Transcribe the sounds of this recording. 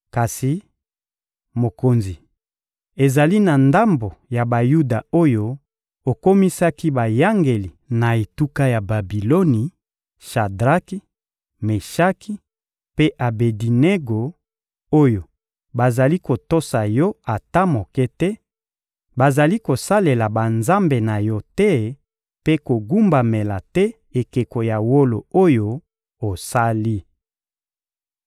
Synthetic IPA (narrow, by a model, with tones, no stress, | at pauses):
ka˨si˨ | mo˨ko˨nzi˨ | e˨za˨li˦na˨nda˦mbo˨ja˨ba˨ju˦da˨o˦jo˦ | o˨ko˦mi˦sa˦ki˦ba˨ja˦ŋɡe˨li˨na˨e˨tu˦ka˦ja˨ba˨bi˨lo˦ni˨ | ʃa˨dʁa˦ki˦ | me˨ʃa˦ki˦ | pe˦ʔa˨be˨di˨ne˦ɡo˨ | o˦jo˨ | ba˨za˨li˦ko˨to˦sa˨jɔ˦a˨ta˦mo˨kɛ˦tɛ˦ | ba˨za˨li˦ko˨sa˦le˨la˨ba˨nza˦mbe˨na˨jɔ˦tɛ˦ | pe˦ko˨ɡu˦mba˨me˨la˨tɛ˦ | e˨ke˨ko˨ja˨wo˦lo˨o˦jo˦ | o˨sa˦li˦